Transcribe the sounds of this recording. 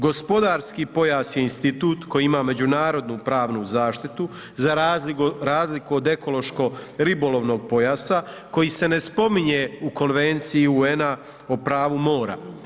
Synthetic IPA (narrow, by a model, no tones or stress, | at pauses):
ɡo̞spo̞d̪aːɾskiːpo̞jaːsje̞inst̪it̪uːt̪ko̞jiimaːme̞d͡ʑunaːɾo̞d̪nupɾaːʋnuzaːʃt̪it̪u | zaɾaziɾaːzlikuod̪e̞ko̞lo̞ʃko̞ɾibo̞lo̞ʋno̞ɡ̚po̞jaːsako̞jiːse̞ne̞spo̞miɲe̞uko̞nʋe̞nt̪sijiuena | opɾaːʋumo̞ːɾa̰